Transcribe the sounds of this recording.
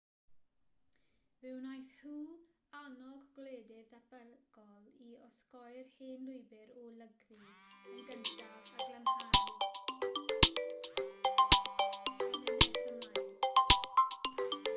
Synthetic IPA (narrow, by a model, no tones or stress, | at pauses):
vɪwnajθhuː | anɔɡɡ̥leːdɪrdʰabəɡ̥ɔlˠiɔskɔjrheːnlʊjbɪɾɔlˠəɡriiɡənʃavaɡantʰal | nɛɛsəma